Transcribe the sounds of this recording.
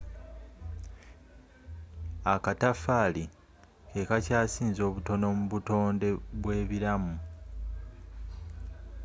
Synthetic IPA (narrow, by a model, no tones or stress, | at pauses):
akatafaːli | ke̞kacaːsiːnzo̞ːβuto̞no̞muβuto̞ːnde̞βwe̞ːβiɾamu